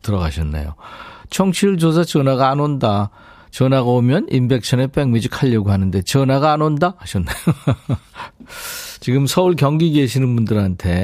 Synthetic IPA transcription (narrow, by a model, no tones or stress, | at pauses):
tɯɾʌɣaɕʰʌnːa̰jo̰t͡ɕʰʌŋɕʰiɭd͡ʑosʰat͡ɕʌnaɡaːnonda | t͡ɕʌnaɡaomjʌnimbe̞k̚ɕʰʌne̞p͈eŋɥid͡ʑikʰaʎːʌɡoɦanɯnde̞t͡ɕʌnaɡaːnondahaɕʰʌnːajo | t͡ɕiɡɯmsʰʌuɭkjʌŋɡiɡeɕʰinɯnbundɯɾantʰe̞